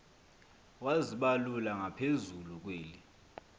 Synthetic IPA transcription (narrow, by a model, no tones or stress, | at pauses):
waziɓalulaŋapʰezuluk̬weːli